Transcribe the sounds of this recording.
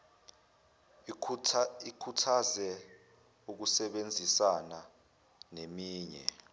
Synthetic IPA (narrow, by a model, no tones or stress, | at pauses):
ikʰutʰazɛ | uk̬usɛɓend͡zʱisana | nemiːɲɛ̰